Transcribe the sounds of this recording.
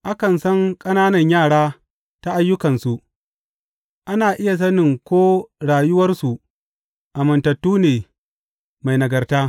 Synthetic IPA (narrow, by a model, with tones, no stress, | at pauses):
ʔa˦kɐ˨nsɐ˦ŋkʼɐ˦naː˦nɐ˨ɲjaː˦˨ɽaː˦ | ta˦ʔa˦jːʊ˦kɐ˨nsu˨ʔ | ʔa˦naː˨ʔɪ˦ja˨s̬ɐ˦nɪ˨ŋkʷoː˦ɽaː˨jʊ˦wɐ˦rsu˨ʔ | ʔa˨mɐ˨ntɐ˨tːuː˦neː˨ | ma˨jnɐ˨ɡɐ˨rtaː˦